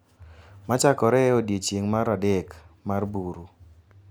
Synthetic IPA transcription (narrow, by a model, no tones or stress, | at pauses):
mat͡ʃakɔɾɛodjet͡ʃeŋmaɾadɛkmarbuɾu